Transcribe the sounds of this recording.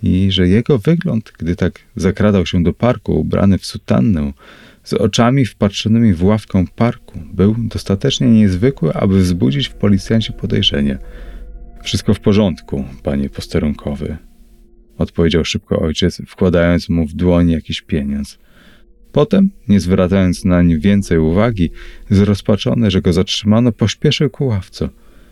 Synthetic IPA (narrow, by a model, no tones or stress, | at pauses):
iʐɛjɛɡɔvɘɡlɔnt̪ɡd̪ɘt̪aɡzakɾad̪awɕɛd̪ɔpaɾkṵṵbɾʔa̰nɘfsut̪a̰nːɛ̃ | zɔ̰t͡ʂamʲifpatʂɔnɘmʲivwafkɔ̃w̃paɾkubɘwd̪ɔst̪at̪ɛt͡ʂɲɛɲɛzvɘkwɘʔa̰bɘvzbud͡ʑit͡ɕfpɔlʲit̪sʲjaɲt͡ɕɛpɔd̪ɛ̰jʐɛ̰ɲɛ̰ | fʂɨst̪̚kɔfpɔʐɔnt̪kupa̰ɲɛpɔst̪ɛɾuŋkʰɔvɛ̰ | ɔt̪pɔvʲjed͡ʑawʂɘpkɔ̰ʔɔjt͡ɕɛt̪sfkwad̪ajɔnt̪smuvd̪wɔɲjakʲiɕpʲjeɲɔnt̪s | pɔt̪ɛmɲɛzvɾʔat̪sajɔnt̪snaɲivʲjɛnt̪sɛjuvaɡʲizɾɔspat͡ʂɔ̰nɛʐɛɡɔzatʂɘmanɔpɔɕpʲjɛʂɘwkuwaft̪sɛ